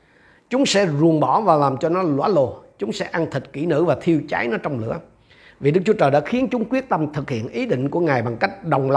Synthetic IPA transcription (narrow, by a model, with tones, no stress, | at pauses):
t͡ɕʊ˨˦ŋ͡msɛ̰˧˥zu˨˩ənɓɔ˧˩˦vaː˨˩laː˨˩mt͡ɕɔ˧nɔ˨˦lwa̰ː˧˥lo˨˩t͡ɕʊ˨˦ŋ͡msɛ̰˧˥ʔa˧nt̪ʰi˨˩t̚kḭ˧˩nɨ̰˧˥vaː˨˩t̪ʰi˧əwt͡ɕaː˨˦jnɔ˨˦t͡ɕɔ˧wŋ͡mlɨ̰˧˩ə | vi˨˩ɗɨ˦˥k̚t͡ɕu˨˦t͡ɕəː˨˩jɗa̰ː˧˥xi˨˦ənt͡ɕʊ˨˦ŋ͡mkwi˦˥ət̚t̪ə˧mt̪ʰɨ˨˩k̚hḭ˧˨ənʔi˨˦ɗḭ̈˧˨ŋ̟ku˧˩əŋaː˨˩jɓa˨˩ŋka˦˥jk̟̚ɗə˨˩wŋ͡mla˨